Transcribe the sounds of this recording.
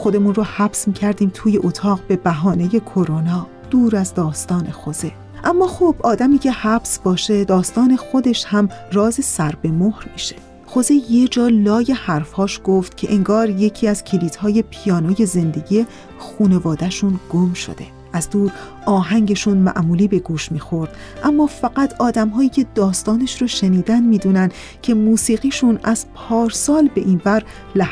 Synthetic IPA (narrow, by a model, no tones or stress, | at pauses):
xo̞d̪e̞munrohæbsmiːcʰæɾd̪iːmt̪ʰuːje̞ʔot̪ʰɒːɣbe̞bæɦɒːne̞je̞kʰoɾonɒː | d̪̥uːɾæzd̪ɒːst̪ɒːne̞xoz̥e | ʔæmːɒːxob̥ɒːd̪æmiːcʰe̞hæbsbɒːʃe̞d̪ɒːst̪ɒːnexo̞d̪e̞ʃhæmrɒːzesæɾbe̞mohɾmiːʃe | xo̞zejed͡ʒɒːlɒːje̞hæɾfhɒːʃɡ̥o̞ft̪cʰe̞ʔeŋɡɒːɾje̞cʰiːæz̥cʰeliːt̪hɒːje̞pʰijɒːnoːje̞ze̞nd̪e̞ɟije̞ | xuːne̞vɒːd̪æʃunɡ̥omʃo̞̰d̪e̞̰ | ʔæzd̪uːɾ | ɒːɦæŋɟeʃunmæ̰ʔmuːliːbe̞ɡuːʃmiːxoɾd̪̥ | ʔæmːɒːfæɡæt̪ʰɒːd̪æmɦɒːjiːcʰe̞d̪ɒːst̪ɒːneʃɾoʃe̞niːd̪ænd̪miːd̪uːnænd̪̥ | cʰe̞muːsiːɣiːʃunæz̥pʰɒːɾsɒːlbe̞ʔinbæɾ | læ